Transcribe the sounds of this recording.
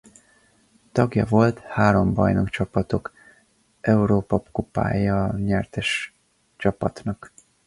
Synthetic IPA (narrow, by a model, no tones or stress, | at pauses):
t̪ɒɡjɒvo̞lt̪haːɾo̞mbɒ̰jno̞kt͡ʃɒpɒt̪o̞k | ʔɛuɾoːpɒpkupa̰ːjɒɲɛrt̪ɛʃ | t͡ʃɒpɒt̪nɒk